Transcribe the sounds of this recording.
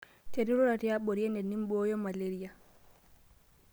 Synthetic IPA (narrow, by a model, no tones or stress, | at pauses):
teɾiɾɔɾatijaɓoɾiɛndɛnːimbɔjɔmaleɾija